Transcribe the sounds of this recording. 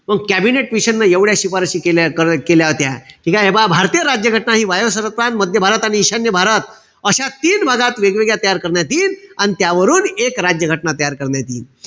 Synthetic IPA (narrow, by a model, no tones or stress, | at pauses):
məɡkæbineʈʋiɕənːajeʋɽjaɕipaɾəɕiːkeljakəɾkeljaɦot̪jaʈʰiːkaebabʱaɾt̪ijəɾad͡ʑjəɡʱəʈnaɦiːʋajosəɾət̪ɾanməd̪ʱjəbʱaɾət̪aɽ̃iːɕanjəbʱaɾət̪ | əɕat̪iːnbʱaɡat̪ʋeɡʋeɡjat̪əjaɾkəɾɳjat̪iːnañit̪jaʋəɾuːnekɾad͡ʑjəɡʱəʈnat̪əjaɾkəɾɳjat̪ḭːn